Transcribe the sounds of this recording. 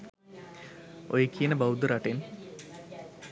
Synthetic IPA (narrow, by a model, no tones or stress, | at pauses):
ojekiənəbawd̪uɾaʈen